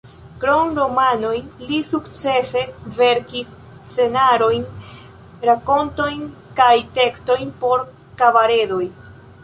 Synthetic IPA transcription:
kɾo̞ŋɾo̞mano̞jnlisukt͡se̞se̞ve̞ɾkisː | e̞naɾo̞jn | ɾako̞nto̞jn | kajte̞ksto̞jnpo̞ɾ | kavaɾe̞do̞j

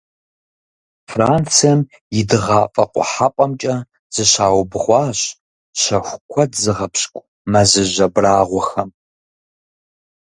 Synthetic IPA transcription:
fraːnt͡sʰijɛm | jɪdɨʁɑːfʼɐ̰qʷʼɔ̰ħapʷʼɐmt͡ʃʼɐ | z̥ɨɕaːwbʁʷɑːɕ | ɕɐxʷkʷʰɔdzɨʁɐpɕkʷʼ | mɐzɨʑɐbraːʁʷɔxɐm

